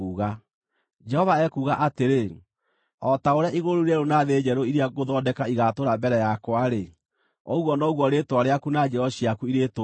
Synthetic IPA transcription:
uːɣa | d͡ʒɛhɔvaɛkuɣaʔateɾe | ɔtaoɾeaʔiɣoɾoiɾɛɾonaðed͡ʒɛɾoiɾeaɣoðɔdɛkaiɣatoɾambɛɾɛjakwaɾe | ɔɣwɔnɔɣɔɾetwaɾeakunad͡ʒɛɔɕiakuiɾeto

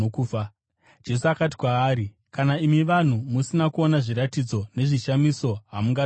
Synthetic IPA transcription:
kuːa | d͡ʒe̞s̬uakati̥kwaːɾi | kanaimiʋan̤umusinakuonaʐiɾatid͡zo̞ne̞ʐiʃamiso̞ɦamuŋɡa

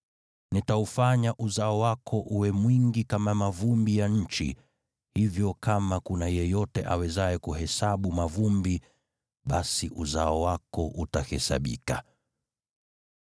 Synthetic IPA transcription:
nitaufaɲaʔuzaɔwakʰɔʔuwɛmwiŋɡikamamavumbijaɲ̩t͡ʃḭ | hivjɔkamakunajɛjɔtɛʔawɛzaɛkuhɛsaɓumavumbi | ɓasiʔuzaɔwakɔʔutahɛsa̰ɓḭka

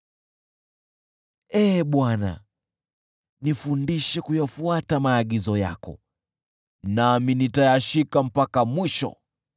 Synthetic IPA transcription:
ɛɓwana̰ | nifundiʃɛkujafuatamaːɠizɔja̰kɔ̰ | naminitajaʃikam̩pakamwiʃɔ̰

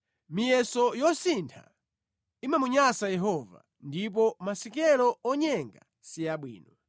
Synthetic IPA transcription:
mijɛsɔjɔsintʰa̰ | imamuɲasajɛɦɔva̰ | ndip̬ɔmasikɛlɔɔɲɛŋɡa | sijaɓwḭːnɔ

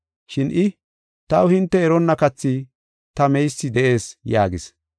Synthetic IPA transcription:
ʃɪnʔɪ | t̪ɐwʊhɪnt̪ːɛɛɾɔnːɐkɐt͡sːi | t̪ɐmɛjsːɪd̪ɛʔe̞ːsjaːɡɪs

